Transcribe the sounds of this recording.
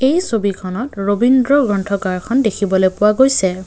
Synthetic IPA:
ejsobikʰɔnɔtɹobindɹɔɡɹɔntʰɔkaɹkʰɔndekʰibɔlojpʊwaɡojsɛ

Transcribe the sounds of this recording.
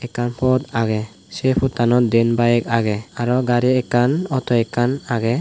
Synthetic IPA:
ɛkanpʰɔt̪aɡɛ | sɛpʰut̪anɔt̪̚d̪ɛnbajɛk̚aɡɛaɾɔɡaɾiɛkanɔt̪ɔɛkanaɡɛ

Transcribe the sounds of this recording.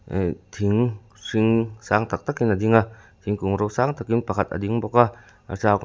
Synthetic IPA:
t̪ʰiŋ | siŋsaŋt̪ak̚t̪akinadiŋatʰiŋkuŋɾowsaŋt̪akinpakʰat̪̚ɐ̰d̪iŋbɔka | a̰sak

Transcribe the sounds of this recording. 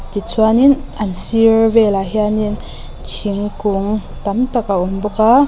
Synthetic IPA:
t̪it͡sʰuaninʔɐnsiɹvɛlaɦianin | kʰiŋkʊŋ | t̪ɐmt̪akaʔumbɔka

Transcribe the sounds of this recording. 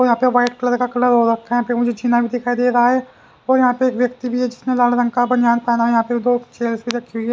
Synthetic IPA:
ojɦãːpeʋaːɪʈkləɾkakələɾɦoːɾəkʰːaɛ̃pʰɪɾmʊd͡ʒʱed͡ʒiːnaːbʱiːd̪ɪkʰaːid̪eːɾaːɛː | oːjəɦãːpeːkʋjəkt̪iːbʱiːɛːd͡ʒɪsnẽlaːlɾəŋkaːbənd͡ʒaːnpɛːnaːjɦãːpeːd̪oːt͡ʃeːlsbʱiːɾəkʰːiːɦʊiːɛː

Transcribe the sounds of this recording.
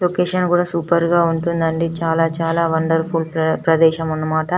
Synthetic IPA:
loːkeːʃɐnkuːɽaːsuːpɐɾɡaːuɳʈund̪ɐɳɖit͡ʃaːlaːt͡ʃaːlaːʋɐɳɖɐɾpʰuːlpɾɐd̪ɛːʃɐmunːɐmaːʈɐ

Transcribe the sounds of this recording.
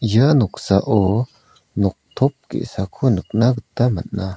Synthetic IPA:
jəanuksaʔo | nok̚t̪ʰop̚kḛʔsakʰunək̚naɡət̪ama̰nʔa

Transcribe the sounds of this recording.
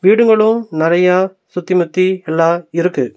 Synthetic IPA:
ʋiːɽɯŋɡɐɭɯ̃nɪɾɐja | sʊt̪ːimʊt̪ːiɛlːãːɪɾɯkːɯ

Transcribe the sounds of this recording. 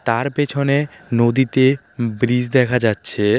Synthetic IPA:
t̪aɾpet͡ɕʰone | nod̪it̪e | bɾid͡ʑd̪ɛkʰad͡ʑatːɕʰe

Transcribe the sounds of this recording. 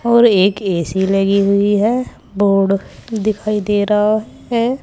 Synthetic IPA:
ɔːɾeːkeːsiləɡiɦʊiɦɛ | boːɾɖd̪ɪkʰaːid̪eːɾaɦaɦ | ɛ

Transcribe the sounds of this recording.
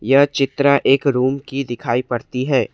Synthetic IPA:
jɐɦt͡ʃɪt̪ɾaʔeːkɾuːmkid̪ɪkʰaːipɐɾt̪iɦɛː

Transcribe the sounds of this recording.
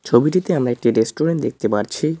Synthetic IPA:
t͡ɕʰobiʈit̪eamɾaek̚ʈiɾesʈoɾeɳʈ̚d̪ek̚ʰt̪epaɾt͡ɕʰi

